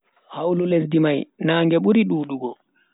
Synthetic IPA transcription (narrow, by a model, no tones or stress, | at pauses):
hawlules̬dimajnaːŋɡɛɓuɾiɗuːɗuɡɔ